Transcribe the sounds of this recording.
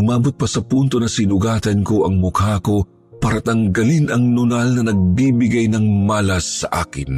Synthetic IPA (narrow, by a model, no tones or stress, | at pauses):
ʔʊmaːbot̪̚pɐsɐpunt̪o̞nɐsɪnʊɡaːt̪ɐnko̞ʔɐŋmʊkaːko̞ | paɾɐt̪ɐŋɡɐlinɐŋnʊnalnɐnɐɡ̚bibɪɡajnɐŋmaːlɐsːɐ̰ʔa̰ːkɪn